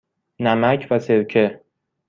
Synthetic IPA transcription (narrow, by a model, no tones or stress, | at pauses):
namakʲʰvasewkʰɪ